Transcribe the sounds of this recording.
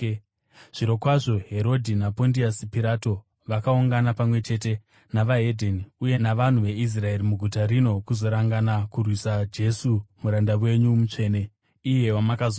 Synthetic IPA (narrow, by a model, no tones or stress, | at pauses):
ʐ̥iɾo̞kwaʐo̞ɦe̞ɾo̞dʱinapo̞ndiasipiɾato̞ | ʋakauŋɡanapamwe̞t͡ʃe̞te̞ | naʋaɦe̞dʱeniuje̞naʋan̤uʋe̞is̬rae̞ɾimuɡʱutaɾino̞kuzo̞ɾaŋɡanakurwisad͡ʒe̞sumuɾandawe̞ɲumut͡ʂe̞ːne̞ | ije̞wamakazo